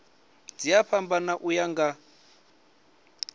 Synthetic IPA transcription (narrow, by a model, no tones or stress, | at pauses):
d͡zijaɸʰambanaʔujaŋɡa